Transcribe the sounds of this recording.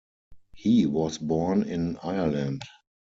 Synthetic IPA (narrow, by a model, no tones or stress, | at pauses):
hiːwɔsbɔːnɪ̃naɪə˞læ̃nd